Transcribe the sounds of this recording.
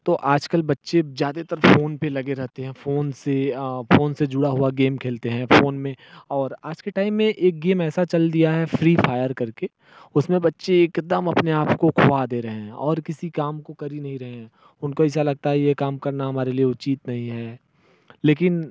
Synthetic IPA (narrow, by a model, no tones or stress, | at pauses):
t̪oːʔaːd͡ʒkəlbɐtːʃezjaːd̪et̪ɐɾfoːnpelɐɡeɾɛɦt̪eɦɛ̃foːnsefoːnsed͡ʒʊɽaɦʊaɡeːmkʰeːlt̪eɦɛ̃foːnmẽɔːɾaːd͡ʒkeʈaːɪmːẽʔeːk̚ɡeːmɛːsat͡ʃɐld̪ijaɦɛfɾiːfʰaːjəɾkɐɾke | ʊsmẽbɐtːʃeeːkd̪əmɐpneaːpkokʰoʋad̪eːɾɐɦẽɦɛ̃ɔːɾkɪsikaːmkokɐɾinɐɦĩɾɐɦẽɦɛ̃ | ʊnkoɛːsalɐɡ̚t̪aɦɛjekaːmkɐɾnaɦɐmaːɾelieʊtːt͡ʃiːt̪nɐɦĩɦɛː | leːkɪn